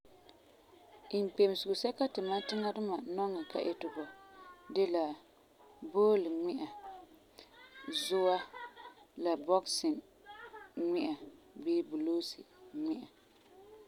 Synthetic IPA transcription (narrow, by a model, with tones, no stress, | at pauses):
ɪ˨m˨k͡pe˨m˨sʊ˨ʊ˨sɛ˦ka˦tɪ˨ma˦tɪ˦ŋa˦dʊ˦ma˨nɔ˦ŋːa˨ka̰˨ʔɛ̰˦tʊ˨bɔ˨de˦la˨ | boː˦lɨ˨ŋɪ˦ʔa˨ | zʊ˦wa˦ | la˨bɔ˦ksɪ˨n | ŋɪ˦ʔa˨ | biː˦bu˨loː˦sḭ˨ŋ͡mɪ˦ʔa˨